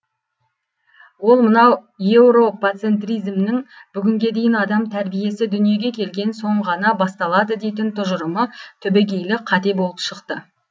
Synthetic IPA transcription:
wo̞lˠmənɑw | je̞wɾo̞pat̪se̞nt̪rʲijzmnɪŋbʏɡʲɪŋɡʲe̞d̪e̞jɪnɑd̪ɑmt̪ʰæɾbije̞sɪd̪ʏnije̞ɡʲe̞kʲʰe̞lɡʲe̞nso̞ɴʁɑnɑbɑst̪ɑlˠɑd̪əd̪e̞jt̪̬ɪnt̪ʰʊʒəɾəmət̪ʰʏbeɡʲe̞jlɪqʰɑt̪e̞bo̞lˠəpʃəqt̪ə

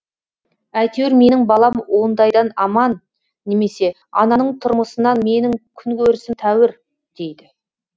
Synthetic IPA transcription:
æjt̪ewɾme̞nɪŋbɑlˠɑmwo̞nd̪ɑjd̪ɑnɑmɑnː | e̞me̞se̞ | ɑ̰nɑnəɴt̪ʰʊɾməsənɑnme̞nɪŋkʲʰʏŋkʲʰɵɾɪsɪmt̪ʰæwɪɾ | d̪̥e̞jd̪ɪ

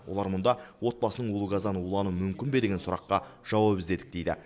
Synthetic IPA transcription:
wo̞lˠɑɾmʊnd̪ɑwo̞t̪̚bɑsənəɴulˠuɡɑzɑnəulˠɑnumʏmkʲɪnbe̞d̪e̞ɡʲensʊɾɑqːɑʒ̥ɑwɑpɪzd̪e̞d̪ɪk̚d̪ejd̪ɪ̰

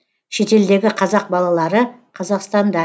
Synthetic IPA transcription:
ʃe̞t̪e̞ld̪e̞ɡʲɪqʰɑzɑq̚bɑlˠɑlˠɑɾəqʰɑzɑqst̪ɑnd̪ɑ

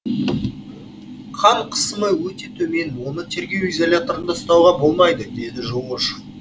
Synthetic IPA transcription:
qʰɑɴqʰə̥səməwɵt̪e̞t̪ʰɵme̞nwo̞nət̪ʰe̞ɾɡʲe̞wizolʲat̪o̞ɾənd̪ɑst̪ɑwʁɑbo̞lˠmɑjd̪əd̪e̞d̪ɪʒo̞ʁəʃ

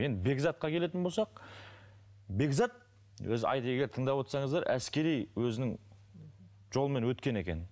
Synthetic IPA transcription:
jend̪ɪbe̞ɡzɑt̪̚qɑkʲʰele̞t̪̬ɪnbo̞lˠsɑq̚ | be̞ɡzɑt̪̚ | wɵzɑ̰jd̪əe̞ɡʲe̞ɾt̪ʰəɴd̪ɑpwo̞t̪sɑɴəzd̪ɑɾʔæskʲe̞ɾijwɵzɪnɪŋ | ʒo̞lˠəme̞nwɵt̪kʲe̞ne̞kʲe̞̰n

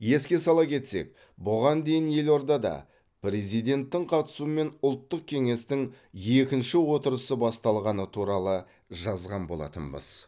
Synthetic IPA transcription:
je̞skʲe̞sɑlˠɑpkʲʰe̞t̪se̞̰k̚ | bʊʁɑnd̪e̞jɪnje̞lo̞ɾd̪ɑd̪ɑ̰ | pre̞zijd̪e̞nt̪ːɪŋqʰɑt̪ə̥suəme̞nʊlˠt̪ːəq̚kʲʰe̞ŋe̞st̪ɪŋ | je̞kʲɪnʃɪwo̞t̪əɾəsəbɑst̪ɑlˠʁɑnət̪ʰuɾɑlˠə | ʒɑzʁɑnbo̞̰lˠɑ̰t̪ə̰nbə̰z̥

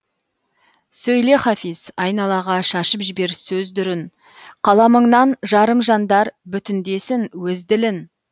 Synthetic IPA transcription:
sɵjle̞χɑfisɑjnɑlˠɑʁɑʃɑʃəpʒɪbe̞ɾsɵzd̪ʏɾɪn | qʰɑlˠɑməɴnɑnʒɑɾəmʒɑnd̪ɑɾbʏt̪ɪnd̪e̞sɪŋwɵzd̪ɪlɪn

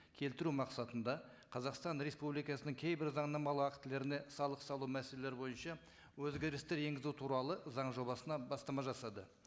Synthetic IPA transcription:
kʲʰe̞lt̪ɪɾumɑqsɑt̪ənd̪ɑ | qʰɑzɑqst̪ɑnɾespublijkɑsənəŋkʲʰe̞jbɪɾzɑɴnɑmɑlˠəɑkt̪ɪle̞ɾɪne̞sɑlˠəqsɑlˠumæselele̞ɾbo̞jənʃɑ | wɵzɡʲe̞ɾɪst̪e̞ɾje̞ŋɡʲɪzut̪ʰuɾɑlˠəzɑɴʒo̞bɑsənɑbɑst̪ɑmɑʒɑsɑd̪ə

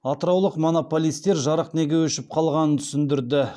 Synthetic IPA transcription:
ɑt̪əɾɑwlˠəqmo̞no̞po̞lʲijst̪e̞ɾʒɑɾəqne̞ɡʲe̞wɵʃɪp̚qʰɑlˠʁɑnənt̪ʰʏ̥sɪnd̪ɪɾd̪ɪ

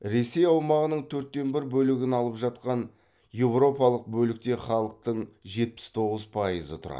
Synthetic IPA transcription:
ɾe̞se̞jɑwmɑʁənəɴt̪ʰɵɾt̪ːe̞nbɪɾbɵlɪɡʲɪnɑlˠəpʒɑt̪̚qɑn | je̞wɾo̞pɑlˠəq̚bɵlɪk̚t̪e̞χɑlˠəq̚t̪əɴʒe̞t̪̚pɪ̥st̪ʰo̞ʁəzpʰɑjəzə̰t̪ʰʊɾɑ̰

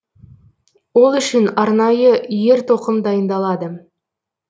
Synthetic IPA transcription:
wo̞lˠʏʃɪnɑɾnɑjəʔje̞ɾt̪ʰo̞qəmd̪ɑjənd̪ɑlˠɑd̪ə

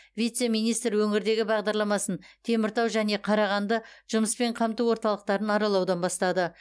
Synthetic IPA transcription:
vʲijt̪se̞mijnijst̪ɾwɵŋɪɾd̪e̞ɡʲɪbɑʁd̪ɑɾlˠɑmɑsənt̪ʰe̞mɪɾt̪ɑwʒæne̞qʰɑɾɑʁɑnd̪əʒ̥ʊməspe̞ɴqʰɑmt̪uwo̞ɾt̪ɑlˠəq̚t̪ɑɾənɑɾɑlˠɑwd̪ɑnbɑst̪ɑd̪ə

